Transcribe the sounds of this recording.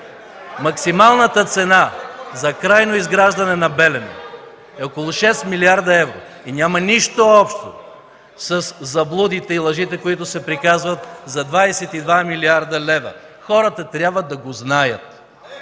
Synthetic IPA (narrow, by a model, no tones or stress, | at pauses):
mɐksimalˠnət̪ət̪sɛnazɐkɾajnoizɡɾaʒd̪ɐnɛnɐbɛlɛnɛ̰ | ɛokolˠʊʃɛst̪miliaɾd̪ɐɛvɾo | inʲamɐniʃt̪oɔpʃt̪o̰ | sɐszɐblˠud̪it̪ɛilˠɐʒit̪ɛkoit̪ʊsɛpɾikazvɐt̪zɐd̪vajsɛt̪id̪vamiliaɾd̪ɐlɛvɐ̰ | xɔɾət̪ɐt̪ɾʲjabvəd̪ɐɡoznajə̰t̪